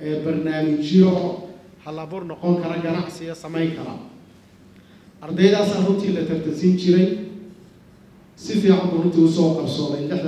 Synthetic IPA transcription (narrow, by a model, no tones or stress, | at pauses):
ʔɛːbɐrnaːmɪt͡ʃjɔ | qɔŋkʰɐɾɐɡɐɾɐɐmɛjŋkʰɐɾɐ̰ | hɐd̪ɛjɐðaːsarʊnt̪ʰiːlɐt̪ʰɐrt̪ʰɐlsint͡ʃʰɪɾɛj | sɪfiːʕɑmbuːrʊnt̪ʰiːʊsɔːqɑrsɔːðɛjlɛħ